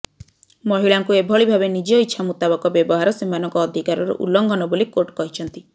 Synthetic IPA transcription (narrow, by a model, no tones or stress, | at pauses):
mɔɦiɭaŋkuebʱɔɭibʱabenid͡ʒɔitːʃʰamut̪abɔkɔbjɔbɔɦaɾɔsimanɔŋkɔːd̪ʱikaɾɔɾɔ̰ʔṵlːɔŋɡɔnɔbolikoʈkɔɦit͡ʃʰɔnt̪i